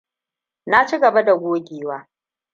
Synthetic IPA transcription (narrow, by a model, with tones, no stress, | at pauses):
na˦t͡ʃiː˦ɡɐ˨ba˦da˨ɡʷoː˦ɡʲiː˨waː˦